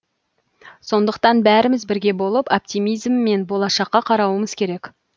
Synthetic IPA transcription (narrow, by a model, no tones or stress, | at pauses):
so̞nd̪əqt̪ɑnbæɾɪmɪzbɪɾɡʲe̞bo̞lˠəpop̚t̪ijmijzmːe̞nbo̞lˠɑʃɑqːɑqʰɑɾɑwəməz̥kʲʰe̞ɾe̞k